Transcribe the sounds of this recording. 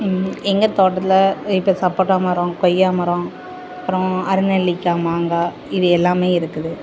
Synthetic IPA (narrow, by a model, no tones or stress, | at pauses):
ɛŋɡɐt̪oːʈːɐt̪ːɪlɐɪpːɐsɐpːoːʈːaːmɐɾõkɔjːaːmɐɾõ | ɐpɾɔ̃ɐɾɯnɛlːɪkːaːmaːŋɡɐ | ɪðɯɛlːaːmeːɪɾɯkːɯðɯ